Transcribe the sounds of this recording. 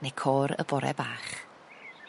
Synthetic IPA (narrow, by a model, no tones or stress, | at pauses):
nejkʰɔːɾə̰bɔɾɛ̰baːχ